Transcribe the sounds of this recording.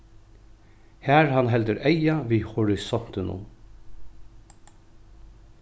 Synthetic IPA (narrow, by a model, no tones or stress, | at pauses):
hæːɹɦanɦɛlt̪əɾɛjaʋiːhʊɾɪsɔn̥t̪ɪnʊ̰